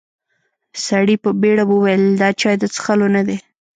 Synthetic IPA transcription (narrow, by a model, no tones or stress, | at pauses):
saɽipəbeɽabwəwajəld̪ɑt͡ʃɑjd̪ət͡sə̥xalonad̪e